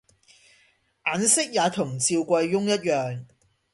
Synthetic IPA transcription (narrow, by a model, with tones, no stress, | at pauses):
ʔaː˨˥nsɪ˥k̚jaː˨˧t̪ʰʊ˨˩ŋt͡siː˧wkʷɐ˧jːʊ˥ŋjɐ˥t̚jœː˨ŋ